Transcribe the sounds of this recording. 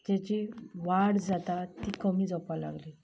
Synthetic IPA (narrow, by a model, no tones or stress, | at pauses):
t̪jat͡ɕiʋaɽd͡zat̪at̪iːkəmiːd͡zɔpala̰ɡliː